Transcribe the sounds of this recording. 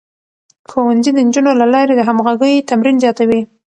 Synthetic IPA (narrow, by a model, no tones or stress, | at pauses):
xowanzid̪ənd͡ʒunolalɑɾed̪əɦamɣaɡəjt̪amɾinzjɑt̪awi